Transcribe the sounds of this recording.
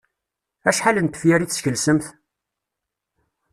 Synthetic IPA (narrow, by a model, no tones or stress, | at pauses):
æʃħalənt̪ːə̥fjæɾiθsçəlsəmθ